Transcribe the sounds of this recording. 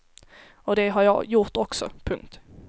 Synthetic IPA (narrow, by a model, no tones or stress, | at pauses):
ɔd̪ɛɦaɾjɑ̰ːjʊʈɔksɔ̰pʰɵŋkt̪